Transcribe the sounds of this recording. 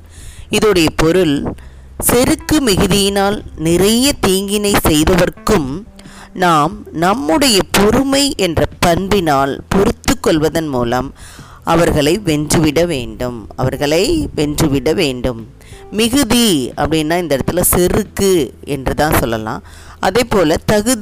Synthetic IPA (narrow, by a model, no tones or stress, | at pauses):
ɪðɔɽɐjɐpɔɾɯl | sɛɾɯkːɯmɪɣɯðɪjɪnaːlnɪrɐjɐt̪iːŋɡɪnɐɪsɛjðɐʋɐrkːɯm | naːmnɐmːɯɽɐjɐpɔɾɯmɐɪʔɛndrɐpɐnbɪnaːlpɔɾɯt̪ːɯkːɔɭʋɐðɐnmṵːlɐ̰m | ʔɐʋɐɾɣɐɭɐɪʋɛndrɯʋɪɽɐʋḛːɳɖɯmɐ̰ʋɐɾɣɐɭɐɪʋɛndrɯʋɪɽɐʋeːɳɖɯmː | ɪɣɯðiɐ̰pːɐɽɪnːaːɪnd̪ɐɛɽɐt̪ːɪlɐsɛɾɯkːɯʔɛndrɯt̪ãːnsɔlːɐ̰lã̰ː | ʔɐðeɪːpːoːlɐt̪ɐɣɯð